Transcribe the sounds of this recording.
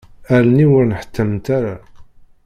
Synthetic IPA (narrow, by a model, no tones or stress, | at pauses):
æɾniwʊɾnəħə̥t̪ʰːəmt̪aɾa